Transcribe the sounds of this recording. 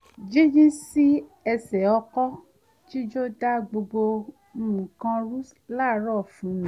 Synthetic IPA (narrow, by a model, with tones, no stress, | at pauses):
d͡ʒi˦d͡ʒĩ˦si˦ɛ˧sɛ˨ɔ˧kɔ˦ | ti˦d͡ʒo˦da˦ɡ͡bo˧ɡ͡bo˧˦ | mũ˨kã˧ɾu˦s | la˦˨˦ɾɔ˦˨fũ˨˦nĩ˨˦